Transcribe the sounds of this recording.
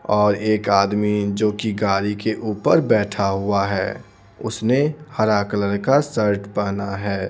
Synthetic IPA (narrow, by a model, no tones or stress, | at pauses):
ɔːɾeːkaːd̪mid͡ʒoːkiɡaːɾikeʔuːpəɾbɛːʈʰaɦʊaɦɛː | ʊsnehɐɾaːkləɾkasəɾʈpəɦnaɦɛː